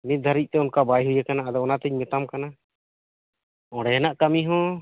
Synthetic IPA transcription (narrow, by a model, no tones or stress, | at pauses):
mit̪̚d̪ʱaɾic̚ˀt̪ɛunkabajɦujakanaːd̪ɔɔnat̪ɛɲmɛt̪amkana | ɔ̃ɽɛɛnaʔkamiɦɔ̃